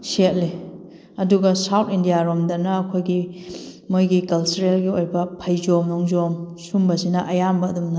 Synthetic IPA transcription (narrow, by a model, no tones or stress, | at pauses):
set̚li | ɐduɡɐsawtʰindijaɾomdɐnɐːkʰojɡi | mojɡikɐlt͡ʃuɾelɡiojbɐpʰɐjzomnɔŋzomsumbɐsinɐʔɐjambɐːdumnɐ